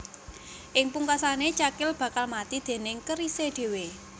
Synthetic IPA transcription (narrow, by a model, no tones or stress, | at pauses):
ʔɪŋpuŋkasanet͡ʃakɪlb̥ä̤kalmat̪id̪̥e̤nɪŋkəɾiseɖ̪̥e̤we